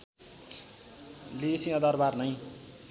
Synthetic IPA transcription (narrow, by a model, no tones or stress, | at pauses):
lisĩʌd̪ʌrbarnʌj